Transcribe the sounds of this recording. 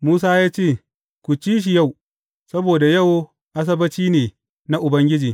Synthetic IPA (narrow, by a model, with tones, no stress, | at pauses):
muː˦s̬aː˦jaː˦t͡ʃeː˦˨ | kʷu˨t͡ʃiː˦ʃ̬i˨ja˦˨w | sɐ˦boː˨da˨jɐ˦˨w | ʔa˦s̬ɐ˦bɐ˦t͡ʃiː˦neː˨ | na˦ʔʊ˨bɐ˦ŋɡʲɪ˦d͡ʒiː˨